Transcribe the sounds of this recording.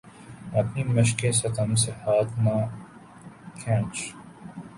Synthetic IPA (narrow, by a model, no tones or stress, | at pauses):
ɐpnimɐʃkesɐkansehaːt̪na | kʰɛ̃ːt͡ʃ